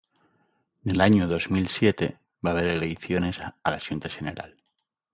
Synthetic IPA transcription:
nelaɲoðo̞zmilsje̞t̪e̞ | βaβ̞e̞ɾele̞jθjo̞ne̞salaʃjunt̪aʃeneɾa̰l

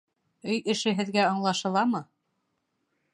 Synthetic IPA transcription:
ɵjɘ̆ʃɘ̆ɦɘ̆ðɡæɤɴlˠɑʃɤ̆lˠɑmɤ

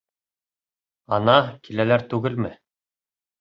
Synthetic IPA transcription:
ɑnɑkilælæɾt̪ʉɡɘlmɘ

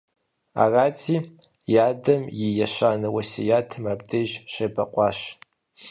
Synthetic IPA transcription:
a̰raːtʰiː | jaːdɐmjɪjɐɕʷaːnɨwɐsḛjaːtʰɨmabdɐʒɕɐbɐqʷʼɑːɕ

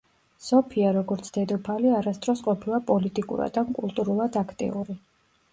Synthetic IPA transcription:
sɔpʰiaɾɔɡɔɾt̪sʰd̪̥ɛd̪ɔpʰaliaɾast̪ʼɾɔsqʼɔpʰilˠapʼɔlit̪ʼikʼṵɾa̰d̪ankʼulˠt̪ʼuɾulˠad̪akʰt̪ʼḭuɾi

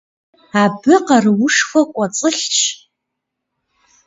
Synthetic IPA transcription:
abɨqarwʊʂxʷakʷʼat͡sʼɨχʲt͡ʃʰ

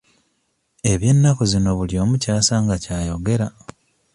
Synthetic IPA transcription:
e̞βje̞nːakuzino̞βuljo̞ːmucaːsaːŋɡacaːjo̞ɡe̞ɾa

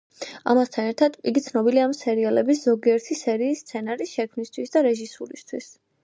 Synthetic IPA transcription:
a̰mast̪ʰanɛɾt̪ʰad̪iɡit̪sʰnɔbiliamsɛɾialɛbiszɔɡiɛɾt̪ʰisɛɾiːsːt̪sʰɛnaɾisʃɛkʰmnist̪ʰwisd̪aɾɛʒisuɾist̪ʰwis

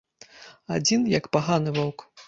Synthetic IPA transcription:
ad͡zʲinjɐkpaɣanɨvɔwk

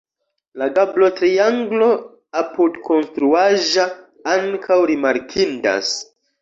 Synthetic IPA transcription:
laɡablo̞tɾiaŋɡlo̞ | apudkʰo̞nstɾuaʒa | aŋkʰawɾimaɾkʰinda̰s

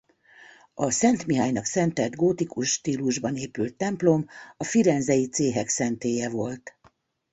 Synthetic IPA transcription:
ɒsɛnt̪miɦaːjnɒksɛnt̪ɛd̪ɡoːt̪ikuʃːt̪iːluʒbɒneːpylt̪ːɛmplo̞mɒfiɾɛnzɛjit̪seːɦɛksɛnt̪eːjɛvo̞lt̪

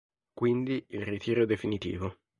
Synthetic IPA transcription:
kwind̪iilrit̪ʰiːɾod̪efinit̪ḭːvo

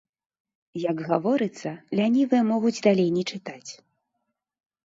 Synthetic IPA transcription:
jɐɡɣavɔɾɨt̪sːɐlʲanʲivɨjɐmɔɣud͡zʲd̪alʲejnʲɛt͡ʂɨt̪at͡sʲ

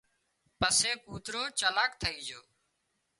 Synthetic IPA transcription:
pəseːkuːt̪ɾoːt͡ʃəlaːkt̪ʰəiːd͡ʒoː

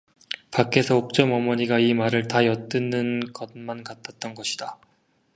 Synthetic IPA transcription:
pak͈e̞sʰʌok̚t͡ɕ͈ʌmʌmʌɲiɡaimaɾɯɭtajʌt͈ɯnːɯnɡʌt̚mankat͈ʰat̚t͈ʌnɡʌɕʰi̥d̥a

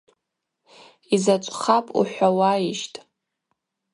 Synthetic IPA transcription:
izat͡ʃʷʼχapʼṵħʷᶣawaiʃtʼ

